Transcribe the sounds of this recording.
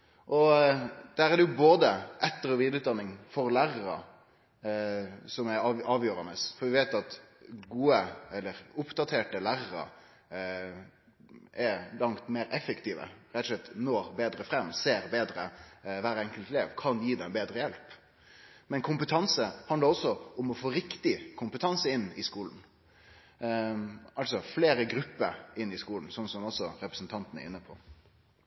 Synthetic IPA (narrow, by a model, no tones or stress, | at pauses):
ʔɔd̪̥æːɾæd̪ɛjʊboːd̪əʔɛt̪ːəɾɔʋiːd̪ɾəʉːt̪d̪ɑnːɪŋfɔɾlæːɾəɾə̰ | sɔmɛɑːʋjøːɾɑnəsfɔɾʋɪʋeːt̪ɑt̪ɡuːəɛlːəɾʊpd̪ɑt̪ʰeːʈəlæːɾəɾə̰ | ʔɛɾlɑŋt̪meːɾɛfːəkt̪ʰiːʋə̰ɾɛt̪ɔ̥sʂlɛt̪ːnɔɾbeːd̪ɾəfɾɛmseːɾbeːd̪ɾəʋæːɾɛŋkəlt̪leːʋkʰɑnjiːd̪ɛnbeːd̪ɾəjɛlp | mɛnkʰʊmpət̪ʰɑnsəhɑnd̪ləɾɔsːɔʊmɔfoːɾɪkt̪ɪkʰʊmpət̪ʰɑnsəɪnːɪskuːln̩ | ɑlsɔfleːɾəɡɾʉpːəɾɪnːɪskuːln̩sɔnsɔmɔsɔɾɛpɾəsn̩t̪ʰɑnt̪ənɛ̰ɪnːəpʰɔ